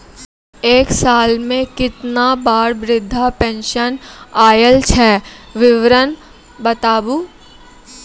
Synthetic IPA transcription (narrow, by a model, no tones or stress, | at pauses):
eːksaːlmẽkɪt̪nabaːɾbɾɪd̪ʱːapɛ̃ːnʃənaːjəlt͡ʃʰɛːʋɪʋɾən | bət̪aːbu